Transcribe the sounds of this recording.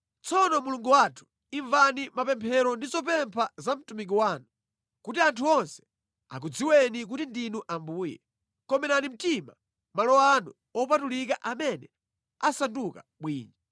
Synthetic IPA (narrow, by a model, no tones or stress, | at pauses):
t͡sɔnɔmuluŋɡuwatʰu̥ | iɱvanimapɛmpʰɛɾɔndizɔpɛmpʰazam̩tumik̬iwaːnu | kutiantʰuɔnsɛ̥ | a̰k̬ud͡ziwɛnik̬utindinuʔambuːjɛ̰ | kɔmɛɾanim̩tima̰ | malɔanṵ | ɔpatulik̬aʔamɛnɛ̰ | asanduka̰ɓwḭːɲi